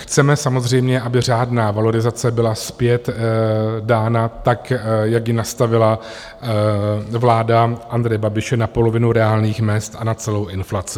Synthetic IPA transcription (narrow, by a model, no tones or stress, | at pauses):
xt͡sɛmɛsamo̞zr̝ɛjmɲɛʔabɪr̝aːdnaːvalo̞ɾɪzat͡sɛbɪlaspjɛt̪ | daːnat̪akjakjɪnast̪avɪla | vlaːdaʔand̪ɾɛjɛbabɪʃɛnapo̞lo̞vɪnuɾɛaːlɲiːxmɛst̪anat͡sɛlo̞wʔɪnflat͡sɪ